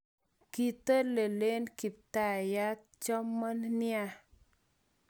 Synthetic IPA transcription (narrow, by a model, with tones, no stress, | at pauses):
ki˨t̪ə˦le˨le˦nki˨p̚t̪a˨ja˦ | t͡ʃɔ˦mːa˦nnja